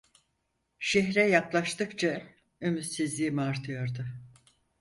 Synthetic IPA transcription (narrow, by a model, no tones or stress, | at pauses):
ʃɛɦɾɛjaklˠaʃt̪ɯkt͡ʃʰa | ømyzsizlʲiːimiaɾt̪ʰɯjo̞ɾd̪ʊ